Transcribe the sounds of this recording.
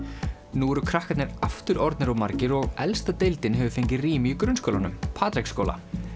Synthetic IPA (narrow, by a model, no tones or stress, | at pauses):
nuɛɾʏkʰɾahkat̪nɪɾaft̪ʏɾɔɾt̪nɪɾamaɾcɪɾɔɣɛlst̪at̪ejlt̪ɪnɦɛvʏfejɲcɪriːmɪikɾʏnskowlanʏmpʰaːt̪ɾejksko̰wla̰